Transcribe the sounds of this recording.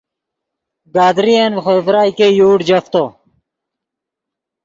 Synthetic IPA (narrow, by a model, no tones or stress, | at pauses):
ɡaːd̪ɾijeːnxovɾaːikejuːʈd͡ʑɐft̪oː